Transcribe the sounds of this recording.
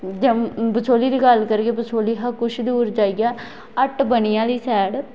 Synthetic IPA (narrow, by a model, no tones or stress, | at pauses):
d͡ʒəmbət͡ʃʰoːliːd̪iːɡəlkəɾeɡeːpət͡ʃʰoːliːɦəkʊʃʰd̪uːɾd͡ʒaːiɡaː | əʈbənijãːliːsɛːɽ